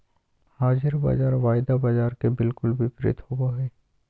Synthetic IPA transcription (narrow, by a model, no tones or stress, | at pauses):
haːd͡ʒɪɾba̰d͡ʒaːɾʋaːɪd̪abad͡ʒaːɾkebɪlkʊlbɪpɾɪ̰t̪hobaɦɛː